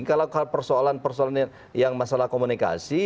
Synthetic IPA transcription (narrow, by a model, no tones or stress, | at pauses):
kalakapərsoalanpərsoalan | jaŋmasalahkomunika̰si